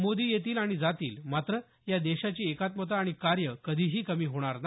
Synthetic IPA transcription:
mod̪iːjet̪iːlaɽ̃id͡zat̪ḭːlmat̪ɾə | jad̪eɕat͡ɕiːekat̪mot̪̬aːɽ̃ikaɾjəkəd̪ʱiːɦiːkəmiːɦoɽ̃aɾna

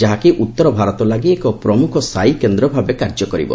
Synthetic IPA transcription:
d͡ʒaɦakiʔut̪ːɔɾɔbʱaɾɔt̪ɔlaɡiekɔpɾɔmukʰɔsajkend̪ɾɔbʱabekaɾd͡ʒɔkɔɾḭbɔ̰

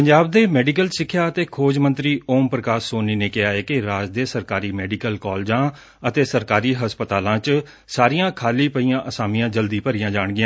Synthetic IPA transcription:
pəɲd͡ʒaːb̚d̪eːmɛːɖiːkəlsɪkʰːjaːət̪eːkʰoːd͡ʒmə̃nt̪ɾiːoːmpɾəkaːsoːniːneːkɪɦaːeːkɪɾaːd͡ʒd̪eːsəɾkaːɾiːmɛːɖikəlkɔːld͡ʒãː | ət̪eːsəɾkaːɾiːɦəspət̪aːlãːt͡ʃ | saːɾijãːkʰaːliːpəijãːʔəsaːmijãːd͡ʒəld̪iːpəɾijãːd͡ʒaːɳɡɪjã

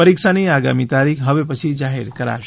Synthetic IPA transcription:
əɾikʃaniaɡa̰mit̪aɾikʰɦəʋepət͡ʃʰid͡ʒaɦḛɾkəɾa̰ʃ

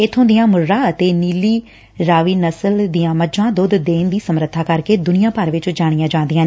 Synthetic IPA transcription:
ɪt̪ʰːõːd̪ɪjãːmʊɾɾãːət̪eːniːliː | ɾaːʋiːnəsəld̪ijãːməd͡ʒãːd̪ʊd̪d̪eːnd̪iːsəmɾət̪ʰːaːkəɾkeːd̪ʊnɪjãːpəɾʋɪt͡ʃd͡ʒaːɽ̃ɪjãːd͡ʒãːnd̪ɪjãː

